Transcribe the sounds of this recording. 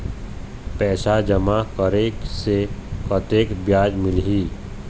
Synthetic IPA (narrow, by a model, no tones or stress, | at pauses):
pɛːʃad͡ʒɐmakəɾeːksekɔt̪eːkbjaːd͡ʒmɪlɦiː